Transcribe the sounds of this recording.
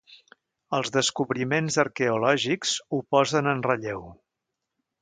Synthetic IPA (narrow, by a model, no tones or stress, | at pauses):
əlˠzðəskuβɾimenzəɾkɛulɔʒikz̥upɔzənənrəʎew